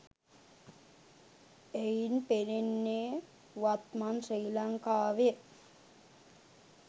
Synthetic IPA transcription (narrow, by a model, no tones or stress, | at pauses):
ejnpeɾinːe | ʋat̪mansejlaŋkaːʋe